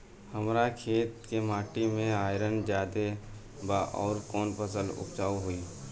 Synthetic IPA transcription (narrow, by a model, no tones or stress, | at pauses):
həmɾakʰeːt̪kemaːʈimẽaːɪɾənd͡ʒjaːd̪e | baʔɔːɾkɔːnpəsəlʊ̰kt͡ʃaːuɦuiː